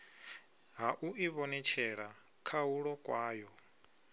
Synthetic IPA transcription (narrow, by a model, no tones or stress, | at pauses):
ɦaʔuiβɔnɛt͡ʃʰɛɺa | kʰauɺɔkʼwaːjɔ